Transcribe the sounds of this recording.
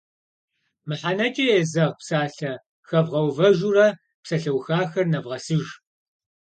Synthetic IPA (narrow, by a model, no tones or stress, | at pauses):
mɨħanɐt͡ʃʼɐeːzɐʁpsaːɬɐ | xɐvʁɐwvɐʒurɐ | psɐɬɐwxaːxɐrnɐvʁɐsɨʒ